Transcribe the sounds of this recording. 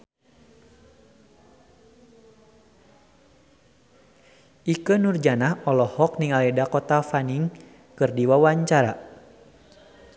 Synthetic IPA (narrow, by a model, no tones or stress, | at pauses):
ʔikənurd͡ʒanahɔlɔhɔk̚niŋalɛdakɔt̪afaniŋ | kɨrdiwawaɲt͡ʃaɾa